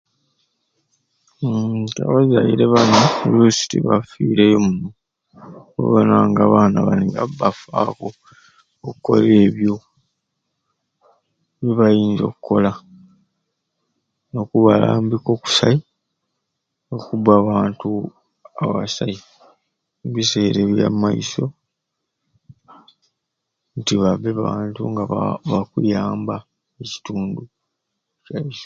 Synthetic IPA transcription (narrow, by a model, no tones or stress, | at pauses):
ta̰βazajiɾe̞βanolusi̥tiβa̰fiːɾe̞jomuno | ḛβanaːŋɡaːβaːnaβaliŋɡabafako̞ | okukːo̞̰le̞ːβjo | βeβajiːnzo̞̰kukːo̞la | no̞kuβala̰ːmbiko̞ku̥sai | no̞kuβaːβaːntu | aβasai | mβise̞ːɾeβja̰mːaiso̞ | ntiβaβe̞βaːntuŋɡaβaβakujaːmba | eci̥tuːndu | caiso̥